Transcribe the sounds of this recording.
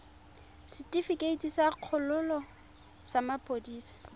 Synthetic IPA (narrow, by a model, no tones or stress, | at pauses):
sɪtʼifikʼeitisaq͡χʰʊlʊlɔ | samapʼodiːsḁ